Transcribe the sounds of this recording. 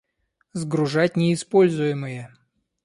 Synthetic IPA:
zɡɾʊʐat̚ʲnʲɪːspo̞lʲzʊjɪmɨjə

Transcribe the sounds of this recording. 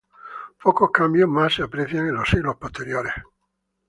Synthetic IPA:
pʰɔːkokambjomasiapːɾɛt̪θjaneloselopːost̪eɾjoːɾe

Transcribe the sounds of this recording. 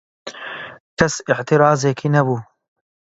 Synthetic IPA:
kʰɐsɪʕt̪ʰiɾɑːzekʰiːnɛbuː

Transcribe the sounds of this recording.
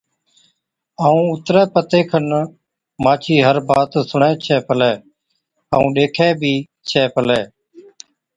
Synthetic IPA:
aːũːʊt̪ɾɛːpət̪eːkʰən | maːt͡ʃʰiːɦəɾbaːt̪sʊɳɛ̃ːt͡ʃʰɛːpəlɛː | aːũːɗeːkʰɛːbʱiː | t͡ʃʰɛːpəlɛː

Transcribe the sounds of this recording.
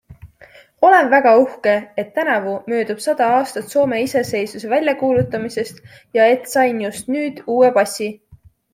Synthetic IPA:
o̞le̞nvæɡ̥ɑuhke̞et̪ːænɑvumø̞ːd̪̥ub̥sɑd̪̥ɑɑːst̪ɑt̪so̞ːme̞ise̞se̞jsuse̞vælʲjɑkuːlut̪ːˑɑmise̞st̪ | jɑe̞t̪sɑjnjust̪nyːd̪̥uːe̞pɑsʲːi

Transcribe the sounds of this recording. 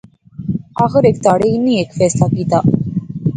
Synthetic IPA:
aːxeɾekt̪aɽeinːiːekfɛːslaːkiːt̪aːʔ

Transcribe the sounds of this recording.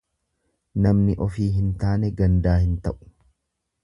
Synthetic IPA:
nɐmnɪʔɔfiːɦɪnt̪aːnɛɡɐnd̪aːhɪnt̪ɐʔʊ̥

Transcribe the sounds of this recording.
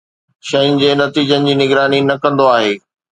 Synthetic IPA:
ʃɐɪ̃nɪ̆d͡ʑeːnɐt̪iːd͡ʑənɪ̆d͡ʑiːnɪɡɾaːninɐkɐ̃nd̪oaːɦeː

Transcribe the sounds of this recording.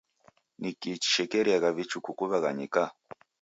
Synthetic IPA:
nikit͡ʃi̥ʃɛkɛɾiaɣaβit͡ʃukukuβaɣaɲḭka

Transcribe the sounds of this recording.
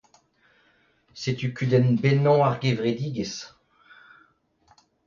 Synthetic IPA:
set̪ykʲyd̪ɛnbɛnɔ̃aʁɡevʁed̪iːɡes

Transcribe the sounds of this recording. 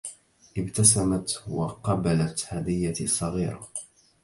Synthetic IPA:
ʔɪbt̪asamat̪wɑqɑbalat̪had̪ɪjːasˤːɑɣiːɾˤɑ̰

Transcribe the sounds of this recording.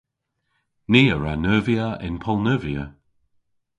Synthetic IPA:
niːəɹanəːviəʔɪ̰npʰɔlˠnəːviə

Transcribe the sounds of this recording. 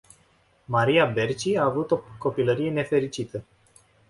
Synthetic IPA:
maɾiabe̞rt͡ʃiaːvut̪o̞ko̞piləɾije̞ne̞fe̞ɾit͡ʃit̪ə

